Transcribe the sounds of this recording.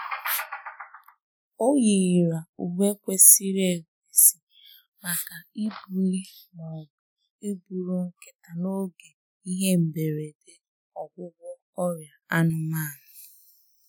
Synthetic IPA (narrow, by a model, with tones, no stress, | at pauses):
o˦ji˨i˨ɾa˨u˨ɦe˦kʷe˦si˦ɾe˦˨ɡe˨si˨ | ma˨ka˨i˦bu˨ɾi˦ | nɔ˨bʊ˨ | i˦bu˨ɾu˦ŋ̩˦ke˦ta˨no˦ɡe˨ | i˦ɦe˦m̩˨be˨ɾe˨de˨ | ɔ˨ɡʷʊ˦ɡʷʊ˦ | ɔ˦ɾja˨a˦nʊ˦maː˦˨nʊ˨